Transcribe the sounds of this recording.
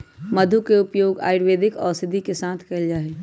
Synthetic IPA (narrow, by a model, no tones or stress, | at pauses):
mɐd̪ʱukeʊpjoːɡa̰ːɪɾʋeːd̪ʱɪkɔːsɪd̪ʱikesãːt̪ʰkɐɪld͡ʒaːɦeː